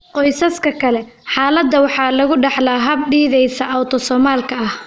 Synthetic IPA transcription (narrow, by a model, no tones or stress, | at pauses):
qɔjsɐskʰɐkʰɐlɛħɑːlɐd̪ːɐwɑħɑːlɐɣʊɖɑħlaːɦɐb̚ɖiːðɛjsɐʔɐwt̪ʰɔsɔːmaːlkʰɐɐh